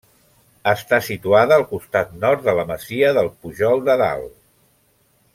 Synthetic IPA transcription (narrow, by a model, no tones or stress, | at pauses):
əst̪asit̪uaðəːlˠkust̪at̪nɔɾt̪dðələməziəðəlˠpuʒɔlˠd̪əða̰lˠ